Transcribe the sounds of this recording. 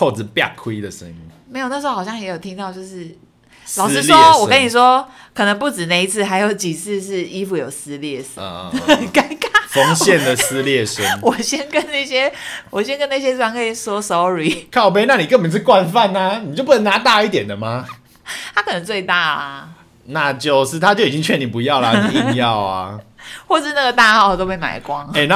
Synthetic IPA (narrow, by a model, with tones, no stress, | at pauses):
kʰo˥˩ʊt͡sɹ̩˨˩pja̰˥˨˩kʰwi˦d̪ə˨ʂə̰˦ŋi˦ŋme˧˥jn˥ʂɻ̩˧˥o˥xɕjɑ˥˩ŋjɛ˧˥jo˨˩ʊt̪ʰi˥ŋt̪ɑ˥˧ʊt͡ɕjo˥˧ʊʂɻ̩˥˩ | lɑ˨ʊʂ̩˥swɔ˥wɔ˨˩kə˦ni˨˩ʂwɔ˦˥ | kʰɤ˨˩nə˧˦ŋpu˥˩ʈ͡ʂɻ̩˨˩na˥˩i˧˥t͡sʰɹ̩˥˩ɦa˧˥ɪjo˧˥ʊt͡ɕi˨˩t͡s̩ʰ˥˧ʂɻ̩˥˩i˥fu˧˩jo˨˩ʊsɹ̩˧˥ljɛ˥˩ʂka˧˥ɪka˥˦fo˦˥ŋɕjɛ˥˨nd̪ə˨sɹ̩˥ljɛ˥˩ʂə˦nwɔ˨˩ɕjɛ˦˥nkə˦˥nna˥˩ɕjɛ˥wɔ˨˩ɕjɛ˥nkə˥na˥˩ɕ̬jɛ˥wa˥˩ŋkʰɤ˥˩i˨˩swɔ˥so˧˥ʊɻi˨˩kʰɑ˥˩ʊpe˥ɪna˥˩ni˨˩kə˥˩pə˨˩nt͡sʰɻ̩˥˩kwa˥˧nfa˥˨˩na˨ni˨˩t͡ɕjo˥˧ʊp̬u˥nə˧˦ŋna˧˥˦t̪a˥˧i˥˩t̪jɛ˨˩nd̪ə˩ma˩ | t̪ʰa˥kʰɤ˨˩nə˧˦ŋt͡swe˥˧ɪt̪a˥˩ɐ˩ | na˥˧t͡ɕjo˥˧ʊʂɻ̩˥˩t̪ʰa˦t͡ɕjo˥˩ʊi˨˩i˦ŋt͡ɕʰɥɛ˥˧˨ni˨˩mpu˨˦jɑ˥˩ʊlɐ˨˥jɑ˥˨ʊa̰˩xwɔ˥˧ʂ̩˥˧na˥˩ɡə˩t̪a˥˧xɑ˥˩ʊt̪o˥ʊpe˥˩ɪma̰˨˩ɪkwɑ˦ŋe˨˩na˥˨